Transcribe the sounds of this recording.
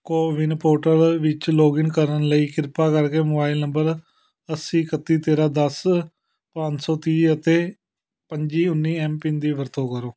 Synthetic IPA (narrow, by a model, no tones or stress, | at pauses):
koːʋɪnpoːʈəɾʋɪt͡ʃloːɡɪnkəɾənləiːkɪɾpaːkəɾkeːmoːbaːɪlnəmbəɾ | əsĩːkət̪iːt̪eːɾaːd̪əs | pəɲt͡ʃsɔːt̪iːət̪eː | pəɲd͡ʒiːʊnːiːɛːmpɪ̃nd̪iːʋəɾt̪õːkəɾoː